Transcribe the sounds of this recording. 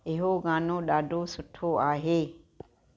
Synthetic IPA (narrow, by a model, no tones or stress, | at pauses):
ɪɦoːɡãːnõːɗaːɖoːsʊʈʰːoːaːɦe